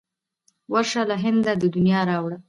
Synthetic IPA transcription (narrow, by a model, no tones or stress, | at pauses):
waɾʃalaɦɪnd̪ad̪əd̪unjɑɾɑwɽa